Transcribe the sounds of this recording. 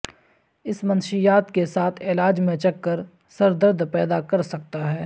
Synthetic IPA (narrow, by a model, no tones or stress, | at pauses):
ɪsmɐ̃nʃijaːt̪kesaːt̪ʰeːlaːd͡ʒmẽt͡ʃɐkːəɾ | sɐɾd̪əɾd̪pɛːd̪akɐɾsɐk̚t̪aɦɛː